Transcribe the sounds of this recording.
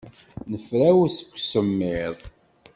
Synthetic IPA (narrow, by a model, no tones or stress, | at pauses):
nəfɾæwæsə̥kʷːsəmːɪðˤ